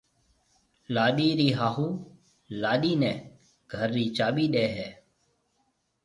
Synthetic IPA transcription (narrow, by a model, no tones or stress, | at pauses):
laːɗiːɾiːɦaːɦuː | laːɗiːnɛ̃ː | ɡ̥ʱəɾːiːt͡ʃaːɓiːɗeːɦɛː